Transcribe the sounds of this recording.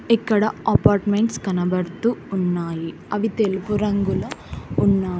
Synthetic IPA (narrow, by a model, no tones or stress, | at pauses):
ekːɐɽɐɐpaːɾʈmeɳʈskɐnɐbɐɾt̪uunːaːji | ɐʋit̪elpuɾɐŋɡulɐunːaː